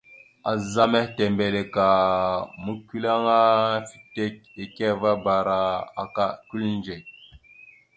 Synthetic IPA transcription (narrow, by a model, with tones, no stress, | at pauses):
a˨za˦me˦hte˨mbe˨le˨ka˨mu˦ki˦la˦ŋa˦fi̥˦te˦k̚e˨ke˦va˦ba˨ɾa˨a̰˨ka˦ku˦lnd͡ʒe˨k̚